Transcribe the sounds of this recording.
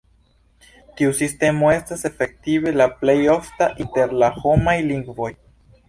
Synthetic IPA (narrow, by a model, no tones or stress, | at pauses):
tiusiste̞mo̞e̞stase̞fe̞k̚tive̞laple̞jo̞ftaʔinte̞ɾlaho̞majliŋɡvo̞j